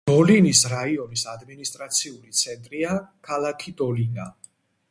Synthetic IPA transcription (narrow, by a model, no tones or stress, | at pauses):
d̪̥ɔlinisɾaiɔnisad̪minist̪ʼɾat̪sʰiulit̪sʰɛnt̪ʼɾiakʰalˠakʰid̪ɔlina